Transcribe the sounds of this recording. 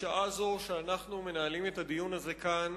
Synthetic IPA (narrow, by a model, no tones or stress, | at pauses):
ʃaʔazoʃeanaχnume̞naːlime̞t̪ad̪ijunaze̞kan